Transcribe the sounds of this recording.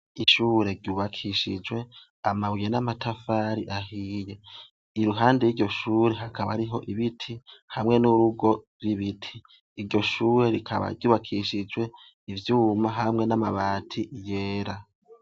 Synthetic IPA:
iʃuːɾe̞ɾɟuβakʰiʃid͡ʒwe̞ | amaβwijenamatʰafaːɾiʔaɦiːje̞ | iɾuɦaːndejiɟo̞ʃuːɾe̞ɦakʰaβa̰ɾiɦo̞ʔiβitʰihamŋe̞nuɾuɡo̞ | ɾiβitʰiː | ɾɟo̞ʃuːɾe̞ɾikʰaβa̰ɟuːβakʰiʃid͡ʒwe̞ | ivjuːmaɦamŋe̞namaβaːtʰije̞ːɾa

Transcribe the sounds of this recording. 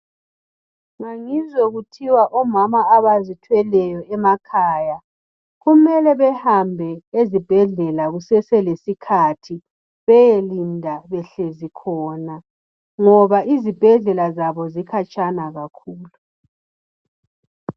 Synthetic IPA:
ŋaŋizoɣutʰiwaʔɔmamaːβazitʰwɛlɛjɔɛmakʰaːja | ɣumɛlɛβɛhambʱɛezib̥ʱɛɮɛlaɣusɛsɛlesikʰatʰi | βɛjelindʱaβɛɬezikʰɔːna | ŋɔβaʔizib̥ʱɛɮɛlazaβɔzikʰat͡ʃʼanaɣakʰuːlu

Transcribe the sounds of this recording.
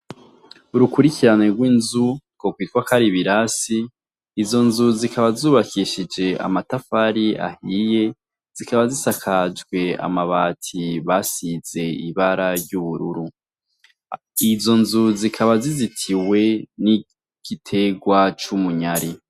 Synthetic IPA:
uɾukuɾikʰiɾaneɡwiːnzukokwiːtwakʰaɾiβiɾasiː | zo̞nzuzikaβazuːβakʰiʃid͡ʒe̞a̰matafaɾia̰hije̞ | z̥ikaβazisakʰad͡ʒɡwe̞a̰maβatʰiβasiz̥e̞iβaɾaɾɟuβuɾuɾu | izo̞nzuzikʰaβazizitʰiwe̞ni | ɡ̥itʰe̞ɡwat͡ʃumuɲaɾi

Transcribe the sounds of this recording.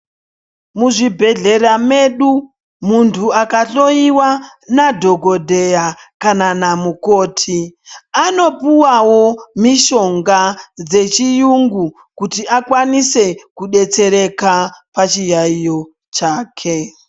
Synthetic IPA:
muʐibʱe̞ɮe̞ɾame̞ɗu | muntʰuakaɬo̞iwanadʱo̞ɡʱo̞dʱe̞jakananamuko̞ːtʰiano̞puwawo̞miʃo̞ŋɡad͡ze̞t͡ʃijuŋɡu | kutiakwanise̞kuɗe̞t͡se̞ɾe̞kapat͡ʃijaijo̞ | t͡ʃaːkʰe

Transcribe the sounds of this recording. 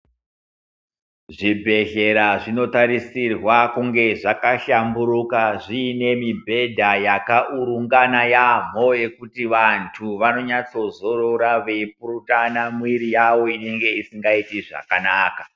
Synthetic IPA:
ʐibʱe̞ɮe̞ɾaʐino̞taɾisirwakuŋɡe̞ʐakaɬambuɾukaʐiːne̞mibʱe̞dʱajakaʔuɾuŋɡanajam̤o̞je̞kutiʋantʰuʋano̞ɲat͡so̞zo̞ɾoɾaʋeip̚uɾutanamwiɾijawo̞ine̞ŋɡe̞isiŋɡaitiʐa̰kanaːka

